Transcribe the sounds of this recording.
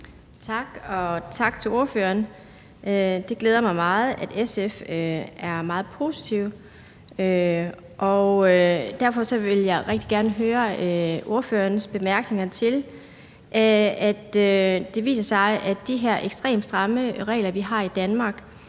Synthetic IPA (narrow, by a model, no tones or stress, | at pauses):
t͡sʰɑ̈ɡ̥ɒ̽t͡sʰɑ̈ɡ̥̚t͡sʰe̝lo̝ɐfø̰ːɐn | ød̥e̝ɡ̥leːð̞ˠɐmɑ̈ɪmɑ̈ːð̞̩ˠæd̥eseføæɐmɑ̈ːð̞̩ˠpʰo̝ːsi̥t͡sʰiʊ | ø | ʔɒʊd̥æɐfɒ̽sɒ̽ʋe̝ljɑ̈ɪʁɛɡ̥̚d̥iɡ̥æɐnəɦøːɐøo̝ɐfø̰ːɐnsb̥e̝mæɐɡ̥ne̝ŋɐt͡sʰe̝l | ʔæd̥ød̥e̝ʋḭːsɐsɑ̈ɪʔædd̥iɦeɐ̰ʔeɡ̥sd̥ʁɛ̰ːm̥sd̥ʁɑ̈məʁɛ̰ːlɐʋiɦɑ̈ːid̥ænmɑ̈ːɡ̥